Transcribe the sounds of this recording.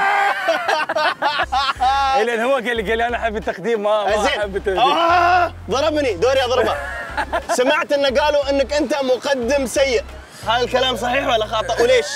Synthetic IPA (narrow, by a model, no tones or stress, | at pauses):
ɪlanhʊwakalːikalːiʔanaʔaħabːɪt̪ːaqd̪iːmːazeːabːt̪ːa | ðˤɑɾˤɑbnid̪oːɾjɑðˤɑɾba | samaʕt̪ʔɪnːaɡaːluʔɪnːakʔɪnt̪amʊqɑd̪ːɪmsajːɪʔ | haːðalkalaːms̬ˤɑħiːħwalːaxɑːt̪ˤːɨʔwleːʃ